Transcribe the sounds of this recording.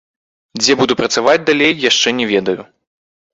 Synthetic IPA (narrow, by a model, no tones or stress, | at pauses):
d͡zʲɛbud̪upɾɐt̪savad͡zʲd̪alʲejːaʂt͡ʂɛnʲɛvʲɛd̪ɐju